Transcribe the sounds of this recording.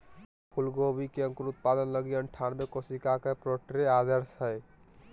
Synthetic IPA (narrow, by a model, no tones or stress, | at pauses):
pʰulɡobikeəŋkoɾut̪̚pad̪ənləɡiəɳʈʰanbekosikakepɾoʈɾead̪əɾsɦəj